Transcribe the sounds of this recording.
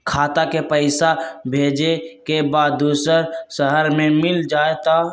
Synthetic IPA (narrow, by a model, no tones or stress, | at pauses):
kʰaːt̪akepəɪsabʱeːd͡ʒekebaːd̪ːuːsəɾsəɦəɾmẽmɪld͡ʒaːet̪a